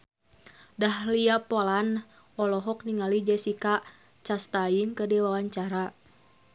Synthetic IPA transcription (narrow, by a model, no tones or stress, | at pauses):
dahliapɔlan | ɔlɔɦɔk̚niŋalid͡ʒɛsika | t͡ʃast̪aiŋkədɛwawaɲt͡ʃaɾa